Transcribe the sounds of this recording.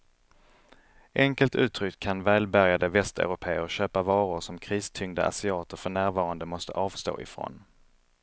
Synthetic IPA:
ʔɛŋkəlt̪ʉ̟ːt̪ʰɾʏkʰːanvɛːlbæɾjad̪əvɛst̪œ̰ʉɾʊpʰeːəɾɕøːpavɑːɾʊɾʂɔmkʰɾiːst̪ʰʏŋd̪ə̰ʔa̰sɪɑːt̪əɾfœɳæːɾvɑːɾand̪əmɔst̪ə̰ʔɑːvst̪o̰ːʔɪ̰fɾo̰ːn

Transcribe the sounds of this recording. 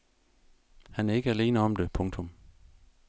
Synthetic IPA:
hænæɐe̝ɡ̥əæle̝̰ːnəɒ̽md̥e̝pʰɔ̽ŋt͡sʰɔ̽m

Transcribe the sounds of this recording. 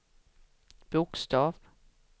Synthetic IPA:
b̥ʊkst̪ɑːv

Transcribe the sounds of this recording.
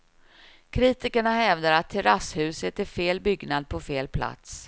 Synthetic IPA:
kʰɾiːt̪ɪkəɳaɦɛvd̪aɾat̪ʰːɛɾashʉ̟ːsət̪ɛfeːlbʏɡnad̪̚pʰɔfeːlpʰla̰t̪s

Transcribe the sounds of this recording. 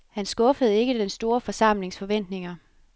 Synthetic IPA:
hænsɡ̥ɔ̽fəð̞̩ˠe̝ɡ̥əd̥ensd̥o̝ːɐfɒ̽sɑ̈m̰le̝ŋsfɒ̽ʋen̰d̥ne̝ŋɐ

